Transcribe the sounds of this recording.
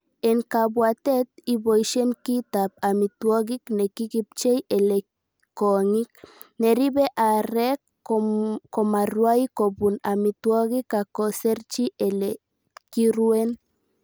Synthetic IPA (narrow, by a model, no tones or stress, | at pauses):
eŋkabwat̪et̪̚ibojʃenkit̪ap̚amit̪woɣiknekikip̚t͡ʃejele | koŋik̚ | neɾiβeʔaɾek | komarwajkobunamit̪woɣikakoseɾt͡ʃiʔele | kiɾuen